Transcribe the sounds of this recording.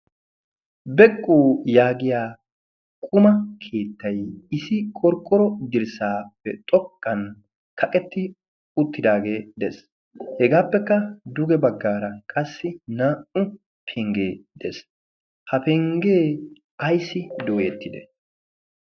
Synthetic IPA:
bɛkʼːuːjaːɡɪjaː | kʼʊmɐkʰe̞ːt̪ːɐjɪsɪkʼɔɾkʼːɔɾɔd̪ɪɾsaːpːɛt̪ʼɔkʼːɐn | kʰɐkʼɛt̪ːɪ | ʊt̪ːɪd̪aːɡe̞ːd̪ɛs | hɛɡaːpːɛkːɐd̪ʊɡɛbɐɡːaːɾɐkʼɐsːɪnaːʔʊ | pʰɛŋɡeːd̪̥ɛs | hɐpɛŋɡeː | ɐjsːɪd̪oːjet̪ːɪd̪ɛ

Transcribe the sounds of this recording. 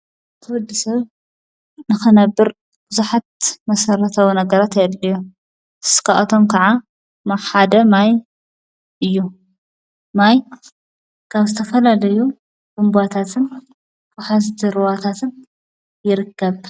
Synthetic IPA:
t̪ʰɐwɔd̪ːisɐβ | nɨxɨnɐbːɨɾ | b̥ɨzuħat̪̚mɐsɐɾɐt̪ʰɐwunɐɡɐɾat̪jɛʔlːijo | skʰa̰ʔɐt̪ʰomkʰɐʕa | maħad̪ɐmaj | ʔɨjːu | maj | kʰaβzɨt̪ʰɐfɐlalɐju | ɡ̥umbat̪ʰat̪ʰɨn | fʊħazt̪ʰiɾɨwat̪ʰat̪ʰɨn | jɪɾɨkːɐβ

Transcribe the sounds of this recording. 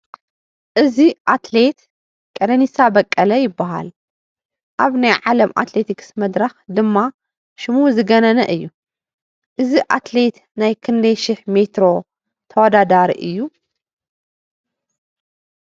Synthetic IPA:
ʔɨziʔat̪let̪ | kʼɐnɐnisabɐkʼːɐlɐjɪbːaɦa̰l | ʔaβnajʕalɐmʔa̰t̪le̞t̪ʰiksmɐd̪ɾɐxd̪ɨmːa | ʃɪmuzɨɡɐnɐnɐʔɨjːu | ʔɨziʔat̪le̞t̪ | najkʰɨnd̪ɐjʃɪħme̞t̪ɾo̞ | t̪ʰɐwɔd̪ad̪aɾḭʔɨjːu

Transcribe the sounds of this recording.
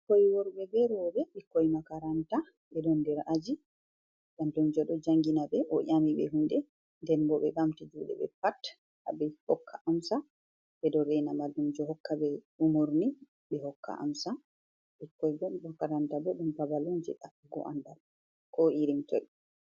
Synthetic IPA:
kɔjwɔɾɓɛɡɛɾɔbɛɓikːɔjmakaɾanta | ɓɛdɔndɛɾʔad͡ʒi | ɓandumd͡ʒɔɗɔd͡ʒaŋɡinabɛʔɔɲamiɓɛ̰ɦundɛ | ndɛnbɔɓɛɡamtid͡ʒuɗɛ̰ɓɛ̰pat | habɛhɔkʰːaʔamsa | bɛdɔɾɛjnamaldumd͡ʒɔhɔkːabɛ | umuɾni | ɓɛhɔkːa̰ʔa̰msa | ɓikːɔjbɔmakaɾantabɛɗumpabalund͡ʒɛ̰ɗa | ɡɔ̰ʔa̰ndaɾ | kɔʔiɾimtɔj

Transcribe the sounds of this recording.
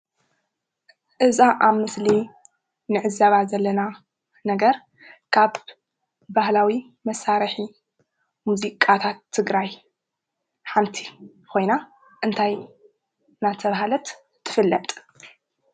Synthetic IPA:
ʔɨzaʔaβmɨsli | nɨʕɨzaβazɐlːɐna | nɐɡɐɾ | kʰaβ | bahlawi | mɐsaɾħi | muzikʼat̪ʰat̪ʰːɨɡɾaj | ħamt̪ʰi̥ | kʰo̞jna | ʔɨnt̪ʰaj | nat̪ʰɐβaɦalɐt̪ʰː | ɨfɨlːɐt̪ʼ

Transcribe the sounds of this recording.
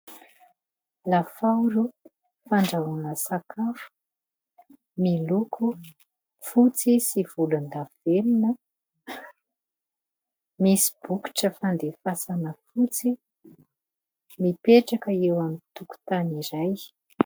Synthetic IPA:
lafawɾu | faɳɖ͡ʐaunəsakʰafu̥ | milukʰu | fut͡sisiv̥uland̪av̥elinə | misi̥b̥uki̥ʈ͡ʂəfand̪efasanəfut͡si | mipeʈ͡ʂakəewamit̪uku̥t̪aniɾaj

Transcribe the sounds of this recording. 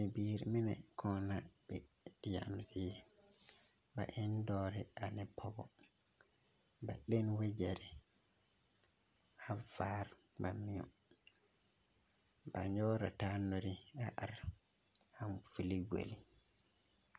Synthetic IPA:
ibiɾiminakʰɔnabɛ | dija̰msi | ba̰ʔɛndɔɾɛanɛpʰɔbɔ | baɗɛnwɛd͡ʒɛɾɛ | havaɾmamijɔ̰ | baɲɔɾatanːoɾiaʔaɾ | hamfiliɡo̰li

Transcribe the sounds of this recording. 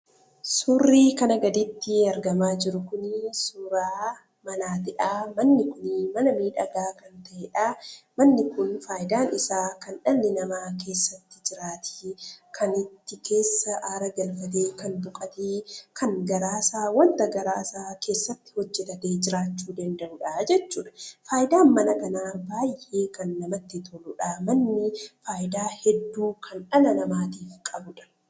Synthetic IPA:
suːrːiːkɐnɐɡɐd̪ɪt̪ːɪɐɾɡɐmaːd͡ʒɪɾʊkʊnsuɾaː | mɐnaːt̪ɪᶑaːmɐnːɪkʊnmɐnɐmiːᶑɐɡaːkɐnt̪ɐʔɛᶑaːmɐnːɪkʊnfaːjɪd̪aːnɪsaːkɐnᶑɐnːɪnɐmaːke̞ːsːɐt̪ːɪ̥d͡ʒɪɾaːt̪ʰɪ̥kʰɐnɪt̪ːɪkʰe̞ːsːɐʔaːɾɐɡɐlfɐt̪̬eːkɐnbʊkʼɐt̪eːkʰɐŋɡɐɾaːsaːwɐnt̪ɐɡɐɾaːsaːke̞ːsːɐt̪ːɪ̥hɔd͡ʒːɛt̪ɐt̪eːd͡ʒɪɾaːt͡ʃːuːd̪ɐnd̪ɐʔʊᶑad͡ʒɛt͡ʃːuːᶑɐ̥faːʔɪd̪aːnmɐnɐkɐnaːbaːjʔe̞ːkɐnːɐmɐt̪ːɪt̪ʰɔlʊᶑaːmɐnːɪfaːʔɪd̪aːhɛd̪ːuːkʰɐnᶑɐnɐnɐmaːt̪iːfkʼɐbʊᶑɐ̥

